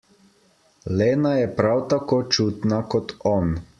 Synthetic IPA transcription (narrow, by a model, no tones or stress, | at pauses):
leːnajɛpɾawt̪akoːt͡ʃuːt̪nakɔt̪ɔːn